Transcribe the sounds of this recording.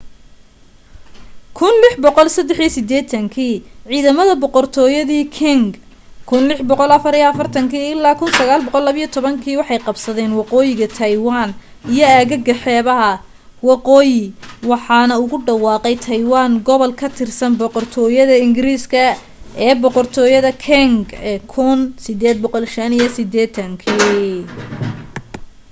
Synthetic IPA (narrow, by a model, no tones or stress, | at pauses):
kʰʊnlɪħbɔqɔlsɐd̪ɛħijsɪd̪ɛːt̪ʰɐŋkʰiːʕiːðɐmɐðɐbɔqɔrt̪ʰɔːjɐðiːkʰɪŋɡ | kʰʊnlɪħbɔqɔlɐfɐɾijɐfɐrt̪ʰɐŋkiːɪlːaːkʰʊnsɐɣaːlbɔqɔlːɐβɐijɔt̪ʰɔβɐŋkʰiːwɑħɑjqɑbsɐðɛːnwɑqɔːjɪɣɐt̪ʰɐjwaːn | ijɔaːɣɐɡɐħɛːβɐɦɐ | wɑqɔːjɪwɑħɑːnɐʊɣʊɖɑwɑːqɛjt̪ʰɐjwaːŋɡɔβɔlkʰɐt̪ʰɪrsɐnbɔqɔrt̪ʰɔːjɐðɐɪŋɡɪɾiːskʰɐ | ɛːbɔqɔrt̪ʰɔːjɐðɐkʰɛŋɡkʰʊnsɪd̪ɛːd̪̚bɔqɔlʃɐnijɐsɪd̪ɛːt̪ʰɐŋkʰiː